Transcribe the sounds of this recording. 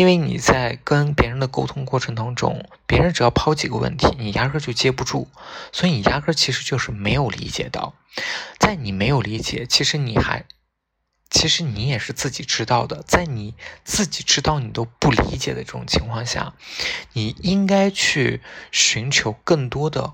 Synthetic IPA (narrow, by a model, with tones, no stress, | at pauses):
i˥nwe˥˩ɪnḭ˨˩t͡sa˥˩ɪkə˥npjɛ˧˥ɻə˧˥nd̪ə˨ko˥ʊt̪ʰʊ˥ŋkwɔ˥˩ʈ͡ʂʰɤ˧˥ŋt̪ɑ˥ŋʈ͡ʂʊ̰˥ŋpjɛ˧˥ɻə˧˥nʈ͡ʂɻ̩˨˩jɑ˥˩ʊpʰɑ˥ʊt͡ɕi˨˩ɡə̰˦wə̰˥˩nt̪ʰi˧˥ni˨˩ja˥kʰɤ˥t͡ɕjo˥˧ʊt͡ɕjɛ˥p̬u˥˧ʈ͡ʂu˥˩swɔ˧˥i˧˩ni˨˩ja˥kʰɤ˥t͡ɕʰi˧˥ʂɻ̩˧˥t͡ɕjo˥˧ʊʂɻ̩˥˩me˧˥ɪjo˨˩ʊlḭ˧˥t͡ɕjɛ̰˨˩t̪ɑ̰˥˩ʊ | t͡sa˥˩ɪni˨˩me˧˥ɪjo˨˩ʊli˧˥t͡ɕjɛ̰˨˩˦t͡ɕʰi˧˥ʂɻ̩˧˥ni˨˩xa̰˧˥ɪ | t͡ɕʰi˧˥ʂɻ̩˧˥ni˧˥jɛ˨˩ʂɻ̩˥˧t͡sɹ̩˥˩t͡ɕi˨˩ʈ͡ʂɻ̩˥t̪ɑ˥˩ʊd̪ə˩t͡sa˥˩ɪni˨˩t͡sɹ̩˥˩t͡ɕi˨˩ʈ͡ʂɻ̩˥t̪ɑ˥˩ʊni˨˩t̪o˥ʊpu˥˩lḭ˧˥t͡ɕjɛ̰˨˩d̪ə˦ʈ͡ʂɤ˥˩ʈ͡ʂʊ̰˨˩ŋt͡ɕʰi˧˥ŋkʰwɑ˥˧ŋɕja̰˥˩ni˨˩i˥ŋka˥ɪt͡ɕʰy˥˩ɕy˧˥nt͡ɕʰjo˧˥ʊkɤ˥˩ŋt̪wɔ˥d̪ə̰˨